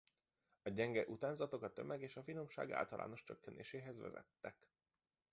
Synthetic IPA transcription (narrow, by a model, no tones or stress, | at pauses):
ɒɟɛŋɡɛʔut̪aːnzɒt̪o̞kɒt̪ø̞mɛɡeːʃɒfino̞mʃa̰ːɡa̰ːlt̪ɒlʔa̰ːno̞ʃt͡ʃøkːɛnḛːʃeːɦɛzʋɛ̰zɛ̰t̪ːɛk